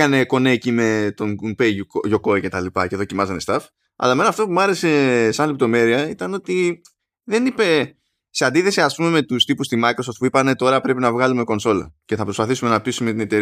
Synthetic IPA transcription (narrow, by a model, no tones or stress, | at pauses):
kɐne̞ko̞neːcime̞t̪o̞nunpeʝo̞ko̞ice̞t̪ɐlipɐce̞ðocimɐzɐne̞st̪ɐf | ɐ̰lɐme̞nɐft̪o̞pumɐɾe̞se̞sɐnlept̪o̞me̞ɾiɐit̪ɐno̞t̪i | ðe̞nipe̞ | se̞and̪iθe̞siɐspume̞me̞t̪ust̪ipust̪imɐjkɾo̞soft̪puipɐne̞t̪o̞ɾɐpɾe̞pinɐvɣɐlume̞ko̞nso̞lɐ̰ce̞θɐpɾospɐθisume̞nɐp̚t̪isume̞t̪ine̞t̪e̞ɾ